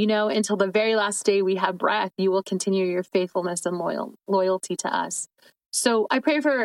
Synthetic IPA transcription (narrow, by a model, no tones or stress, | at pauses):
jɨnoʊɨ̃ntʰɪlˠðɨvɛɹilæsd̥eɪwiɨvbɹɛθjɨwɪlˠkʰɨ̃ntʰɪ̃njʉjə˞feɪθfl̩ˠnɨsə̃nlɔ̰ɪlˠlɔɪl̩ˠtʰiɾɨ̰ʔʌ̰sː | oʊʔaɪpʰɹ̥eɪfə˞